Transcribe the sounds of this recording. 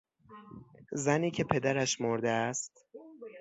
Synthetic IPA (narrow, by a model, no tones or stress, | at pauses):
zæniːcʰe̞pʰe̞d̪æɾæʃmoɾd̪eæst̪